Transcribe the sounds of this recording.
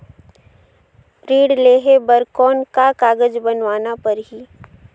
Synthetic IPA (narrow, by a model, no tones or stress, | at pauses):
ɾiːɽleːɦebəɾkɔːnkakaːɡəd͡ʒbənʋaːnapəɾɦiː